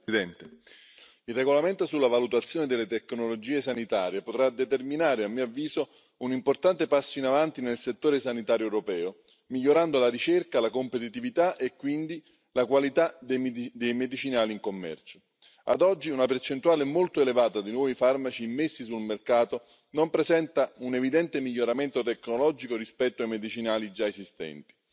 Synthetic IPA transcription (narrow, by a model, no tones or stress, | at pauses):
id̪ɛnt̪e | ilreɡolament̪osulːavalut̪at̪sːjoːned̪elːet̪ɛkːnolod͡ʒiːesanit̪aːɾjepot̪ɾad̪et̪erminaːɾeamːiavːiːzo | unimport̪ant̪epasːoinavant̪inelset̪ːoːɾesanit̪aːɾjoɛwɾopɛːo | miʎːoɾand̪olaɾit͡ʃerkalakompet̪̬it̪ivit̪aʔekːwind̪i | lakwalit̪ad̪ed̪ejmed̪it͡ʃinaːliŋkomːɛ̰rt͡ʃo | a̰d̪ɔd͡ʒːiunapert͡ʃent̪uaːlɪmolt̪oelevaːt̪ad̪inwɔːvifarmat͡ʃiːmːesːisulmerkaːt̪o | nompɾesɛnt̪aunevid̪ɛnt̪emiʎːoɾament̪ot̪ɛkːnolɔd͡ʒikoɾispɛt̪ːoajmed̪it͡ʃinaːlid͡ʒaezist̪ɛ̰nt̪i̥